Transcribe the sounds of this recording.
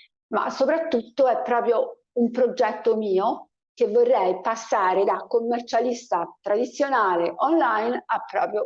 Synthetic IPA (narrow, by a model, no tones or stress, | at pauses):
ma̰sːopɾat̪ːut̪ːoɛpːɾɔːpɾjo | umpɾod͡ʒɛt̪ːomiːo | k̟evːorːɛjpasːaːɾed̪akːomːert͡ʃalist̪at̪ɾad̪it̪sːjonaːleʔɔnlajnapːɾɔ̰ːpɾjo